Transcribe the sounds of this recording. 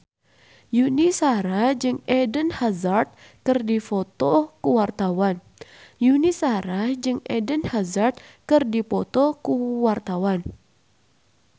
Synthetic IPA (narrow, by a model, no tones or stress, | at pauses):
junisaɾad͡ʒɨŋɛdənhazart̪̚ | kɨrdifot̪ɔkuwart̪awan | junisaɾad͡ʒɨŋɛdənhazart̪̚kɨrdipɔt̪ɔkuwart̪awan